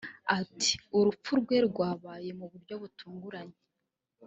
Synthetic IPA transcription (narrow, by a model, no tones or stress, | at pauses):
atʰi̥uɾup͡fuɾɡwe̞ɾɡwaːβaːje̞muβuɾɟo̞βutuːŋɡuɾaɲe